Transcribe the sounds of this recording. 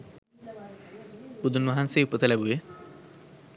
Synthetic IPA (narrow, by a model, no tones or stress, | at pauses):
b̥ud̪unmɔɦansejupot̪elabue